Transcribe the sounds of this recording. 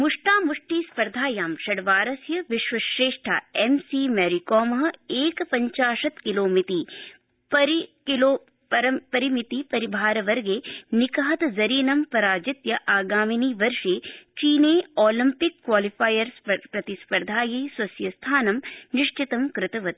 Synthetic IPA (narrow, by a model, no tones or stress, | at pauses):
muʂʈaːmuʂʈiːspɐɾd̪ʱaːjaːmʃɐɽʋaːɾɐsjɐʋɪʃʋɐʃɾeːʂʈʰa̰ːemsiːmɛːɾikɔːmɐɦɐ̆eːkpɐɲt͡ʃaːʃɐt̪kiloːmit̪iː | pɐɾkiloː | pɐɾɐpɐɾimit̪iːpɐɾibʱaːɾɐʋɐɾɡeːnikɐɦɐt̪zɐɾiːnɐmpɐɾaːd͡ʒɪt̪jɐʔaːɡaːminiːʋɐɾʃeːt͡ʃiːneːoːlimpɪkːwaːlifaːjɐɾspɾɐt̪ispɐɾd̪ʱaːjɐjswɐsjɐst̪ʰaːnɐmnɪʃt͡ʃɪt̪ɐmkɾɪt̪ɐʋɐt̪